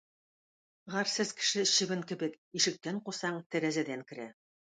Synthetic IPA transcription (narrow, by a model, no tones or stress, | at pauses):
ʁɑɾsɘzkɘ̥̆ʃɘɕɘ̆βɘŋkɘ̆bɘk | iʃɘ̆k̚t̪æɴqusɑɴt̪ɘ̆ɾæzæd̪æŋkɘ̆ɾæ